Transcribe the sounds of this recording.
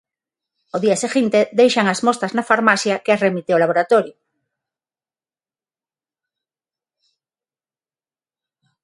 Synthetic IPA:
oðiaseɣint̪eðejʃaŋazmost̪aznafaɾmasjakeasremit̪eolaβ̞oɾat̪oɾjo

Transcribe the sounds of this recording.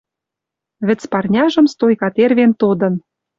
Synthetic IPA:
βɘ̆t͡spɑrnʲɑʒɤ̆mst̪ojkɑt̪erβent̪od̪ɤ̆n

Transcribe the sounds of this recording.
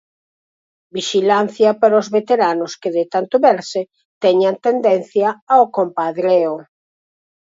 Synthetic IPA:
biʃilan̟θjɐpaɾozβet̪eɾanʊskeðɪt̪ant̪ʊβɛɾse | t̪ɛɲant̪end̪ɛn̟θjɐaokompaðɾeo

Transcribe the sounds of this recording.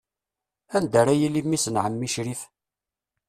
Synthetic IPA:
ænd̪əɾajilːimisənʕəmːiʃɾif

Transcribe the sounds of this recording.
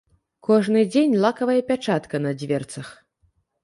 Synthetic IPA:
kɔʐnɨd͡zʲenʲlˠakɐvɐjɐpʲat͡ʂat̪kɐnɐd͡zʲvʲɛrt̪sɐx

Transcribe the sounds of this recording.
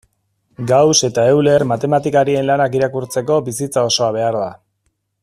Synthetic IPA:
ɡawse̞t̪ae̞wle̞rmat̪e̞mat̪ikaɾie̞nlanakiɾakuɾt͡se̞ko̞bisit͡sao̞so̞aβ̞e̞aɾða

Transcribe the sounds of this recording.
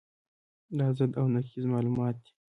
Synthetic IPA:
lɑzad̪awnakizmɑlumɑːt̪̚d̪̥i̥

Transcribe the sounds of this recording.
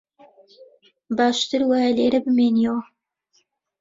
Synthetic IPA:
baːʃt̪ɨɾwaːjaleːɾɐbɨmeːniɛwɐ

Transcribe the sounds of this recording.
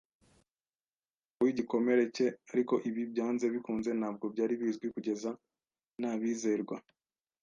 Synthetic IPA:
kuwiɟiko̞me̞ɾe̞ce̞aɾiko̞ʔiβibɟaːnze̞βikuːnze̞naːb̚ɡo̞bjaːɾiβiːzɡwikuɟe̞za | naβiːze̞ɾɡwa

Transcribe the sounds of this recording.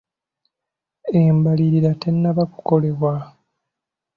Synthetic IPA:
embaliɾiɾate̞nːaβaku̥ko̞le̞βwa

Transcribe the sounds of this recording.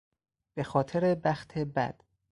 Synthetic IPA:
b̥e̞xɒːt̪ʰeɾebæxt̪ʰebæ̰d̪̥

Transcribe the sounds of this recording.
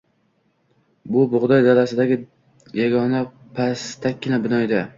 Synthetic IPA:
bʊbʊʁd̪ɒjd̪alasɪd̪aɡʲɪ | jaɡɒna | pʰast̪ʰakʲːɪnabɪnɒjd̪a

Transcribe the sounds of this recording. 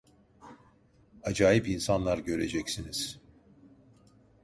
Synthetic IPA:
ad͡ʒaːjipinsanlˠaɾɟø̞ɾe̞d͡ʒɛcsiniz̥

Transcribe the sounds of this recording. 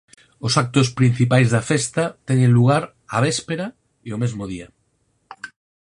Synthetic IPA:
osak̚t̪ospɾin̟θipajzðafest̪at̪eŋẽnluɣ̞aɾ | a̰β̞espeɾa | eomezmoð̞ia

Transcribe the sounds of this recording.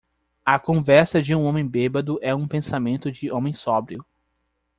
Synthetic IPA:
ɐkõvɛɾsɐd͡ʒɪũõmẽj̃bebɐd̪ʊʔɛũpẽsamẽnt̪ʊd͡ʒɪʔõmẽj̃sɔbɾiʊ

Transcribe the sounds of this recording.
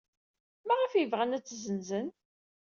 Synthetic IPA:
mæʁəfjəvʁænæt͡sːzənzən

